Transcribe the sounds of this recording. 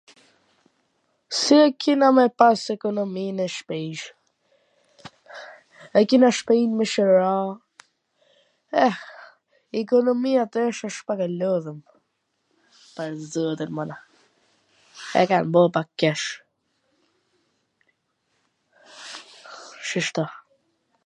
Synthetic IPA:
siɛkinamɛpasɛkɔnɔminɛʃpɛʃ | ɛkinaʃpɛinmɛʃəɾa | ɛ | ɛkɔnɔmiat̪ʃaʃpakalɔðəm | pəɾzuɛt̪ənmɔna | ɛ̰kanbɔpakkːɛʃ | ʃiʃt̪ɔ

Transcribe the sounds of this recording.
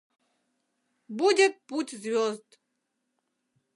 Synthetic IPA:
budʲet̪̚putʲzvʲozd̪

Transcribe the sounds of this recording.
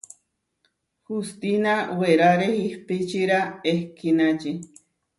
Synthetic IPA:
hust̪inaweɾaɾehihpit͡ʃiɾaehkʰinat͡ʃi

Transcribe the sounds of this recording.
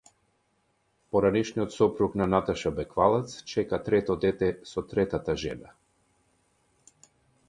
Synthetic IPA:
pɔɾanɛʃniɔt̪sɔpɾuknanat̪aʃabɛkvalˠɛt̪st͡ʃɛkat̪ɾɛt̪ɔd̪ɛt̪ɛsɔt̪ɾɛt̪at̪aʒɛ̰na

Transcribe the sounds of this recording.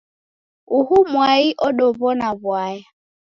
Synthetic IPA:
uhumwaiʔɔɗɔβɔnaβwaja

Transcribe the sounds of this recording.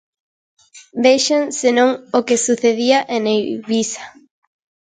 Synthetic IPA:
beʃansenõŋokesuθeðiaʔenejβisḁ

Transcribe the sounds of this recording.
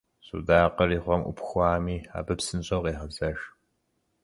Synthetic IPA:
sṵdaːqɐriːχʷɔmʔʷʊ̰pxʷɑːmiːa̰ːbɨpsɨnɕʼɐwqeːχɐbzɐʃ

